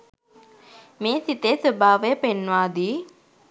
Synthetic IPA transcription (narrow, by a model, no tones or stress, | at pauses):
meːsit̪esəbʱaːʋejəpenːʋaːd̪iː